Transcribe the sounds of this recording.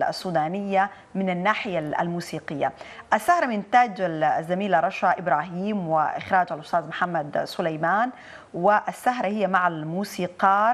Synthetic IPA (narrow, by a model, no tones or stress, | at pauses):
sˤːuːd̪aːnɪjːa | mɪnanːaːħɪjaa̰lmuːsiːqɪjːa̰ʔasːahɾˤɑmɪnt̪aːd͡ʒazːamiːlaɾˤɑʃaʔɪbɾˤaːɦiːmwɪʔɪxɾˤaːd͡ʒʕalʔʊsˤt̪ɑːzmʊħamːad̪sʊlajmaːn | wɪʔasːaɦɾˤahɪjːamaʕalmuːsiːqɑː